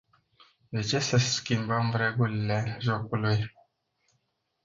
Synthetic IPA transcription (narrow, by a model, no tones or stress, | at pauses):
d̪et͡ʃesəskʲimbəmvɾeɡulileʒokuluj